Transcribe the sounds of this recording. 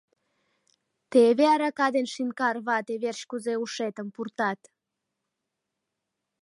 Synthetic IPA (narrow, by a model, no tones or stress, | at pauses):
t̪eβeɑɾɑkɑd̪enʃinkɑrβɑt̪eβerɕkuzeuʃet̪əmpurt̪ɑt̪